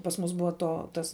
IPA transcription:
pɐs ˈmʊs ˈbʊɐ ˈtoː ˈtɐs

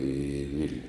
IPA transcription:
iː ˈʋʲɪlʲnʲʊ

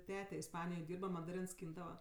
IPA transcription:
ˈtʲæːtʲɛ ɪsˈpɑːnʲɪjoːj ˈdʲiːrbɐ mɐdɐˈrʲɪns ˈsʲkʲiːndɐʋɐ

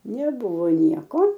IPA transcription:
nʲɛˈbʊʋoː ˈnʲiɛkoː

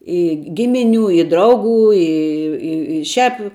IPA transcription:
ˈɪ ˈɡʲɪmʲɪˌnʲuː ɪ ˈdrɐʊɡuː ˈɪ ˈɪ ɪ ʃʲæːp

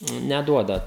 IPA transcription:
nʲɛˈduɔdɐ

